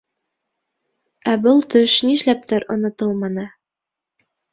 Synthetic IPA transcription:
æbɤlˠt̪ɵʃniʃlæp̚t̪ɘɾŏnŏt̪ɤlˠmɑnɤ

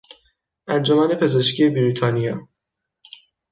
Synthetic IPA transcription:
ʔænd͡ʒomæːne̞pʰe̞ze̞ʃcʰije̞biɾiːt̪ʰɒːnijɒː

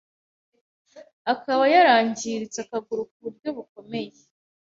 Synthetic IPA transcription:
akaβajaɾaːɲɟiɾit͡sakaɡuɾukuβuɾɟo̞βuko̞me̞je

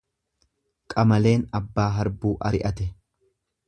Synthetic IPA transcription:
kʼɐmɐle̞ːnɐbːaːɦɐɾbuːʔɐɾɪʔɐt̪ɛ

